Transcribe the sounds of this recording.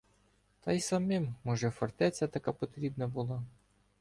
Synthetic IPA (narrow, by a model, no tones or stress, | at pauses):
t̪ɐjsɐmɪmːɔʒɛfɔrt̪ɛt͡sʲːɐt̪ɐkapɔt̪ɾʲibnɐbʊlˠa